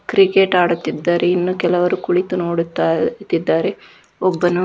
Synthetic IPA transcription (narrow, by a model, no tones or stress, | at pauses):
kɾikeʈaːɽut̪ːid̪ːaːɾeinːukɛlɐʋɐɾukuɽit̪unoːɽut̪ːat̪ːid̪ːaːɾe̞ | ɔbːɐnu